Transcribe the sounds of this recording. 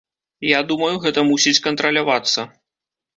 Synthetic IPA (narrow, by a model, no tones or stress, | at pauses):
jad̪umɐjuɣɛt̪ɐmusʲit͡sʲkɐnt̪ɾɐlʲavat̪sːɐ